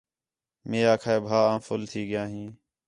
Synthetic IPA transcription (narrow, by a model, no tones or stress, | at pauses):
meːjaːkʰaːeːbʱaːãːfʰʊlt̪ʰiːɠɪjãːɦĩː